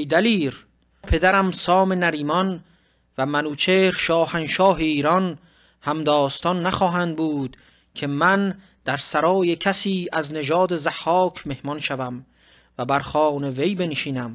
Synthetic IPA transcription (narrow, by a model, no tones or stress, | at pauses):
d̪æliːɾ | pʰe̞d̪æɾæmsɒːme̞næɾiːmɒn | væmænuːt͡ʃʰeːɾʃɒːhænʃɒːɦeiːɾɒn | hæmd̪ɒːst̪ɒnːæχɒːɦænd̪̚buːd̪̥ | kʰe̞mæn | d̪̥æɾsæɾɒːjekʰæsiːæzned͡ʒɒːd̪e̞zæhːɒːkʰme̞hmɒnʃævæm | væbæɾxɒːneve̞jbe̞nʃiːnæm